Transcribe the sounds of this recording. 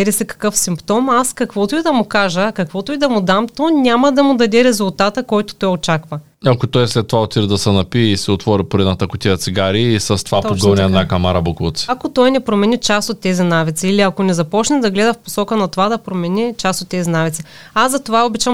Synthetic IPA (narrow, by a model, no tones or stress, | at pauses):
ɛɾisɛkɐ̥kɤfsimpt̪ɔmaskɐkvɔt̪ʊid̪ɐmʊkaʒəkɐkvɔt̪ʊid̪ɐmʊd̪amt̪onʲamɐd̪ɐmʊd̪ɐd̪ɛɾɛzʊlˠt̪at̪əkɔjt̪o̥t̪ɔjot͡ʃakvə | ɐkot̪ɔjslɛt̪ːovaot̪iɾd̪ɐsɛnɐpiɛisɛot̪vɔɾipoɾɛd̪nət̪ɐkʊt̪ʲiɐt̪siɡaɾiːsɐst̪ovat̪ɔɡoniɛnakamaɾɐbukˠut̪si̥ɐkot̪ɔjnɛpɾomɛnʲit͡ʃast̪ot̪ːɛzʲinavit̪siːliɐkonɛzɐpɔt͡ʃnɛd̪ɐɡlɛd̪ɐfpo̥sɔkənɐt̪ovad̪ɐpɾomɛnʲit͡ʃast̪ot̪ːɛzinavit̪si | azɐt̪ovaobɛt͡ʃam